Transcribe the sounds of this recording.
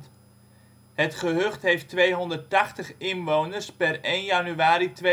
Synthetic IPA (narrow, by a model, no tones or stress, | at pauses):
t | hətχəɦøχtɦejftʋejɦɔndərtɑχtəχɪnʋownərspɛrejnjanyaːɾitʋe